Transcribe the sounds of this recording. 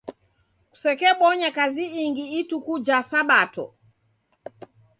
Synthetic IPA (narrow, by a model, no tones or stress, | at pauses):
ku̥sɛkɛɓɔɲakaziiŋɡiitukud͡ʒasaɓatɔ̰